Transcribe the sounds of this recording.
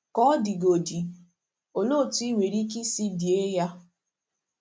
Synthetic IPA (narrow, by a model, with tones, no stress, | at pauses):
kɔ˦di˨ɡo˨di˨ | o˨lo˦˨ti˦i˦wʷe˨ɾi˦k̬i˦si˦di˨e˦ja˦